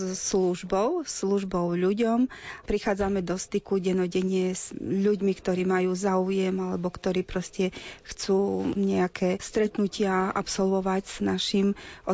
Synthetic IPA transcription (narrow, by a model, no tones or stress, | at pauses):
sluʒbɔʊsluʒbɔʊʎuɟɔmpɾixaːd͡zamɛd̪ɔst̪ikuɟɛnɔɟɛɲɪɛz̥ʎuɟmikt̪ɔɾiːmajuːzaujɛmalɛbɔkt̪ɔɾiːpɾɔscɛxt͡suːɲɛakʰɛːst̪ɾɛt̪nucɪaapsɔlʋɔʋaɟz̥naʃimʔɔ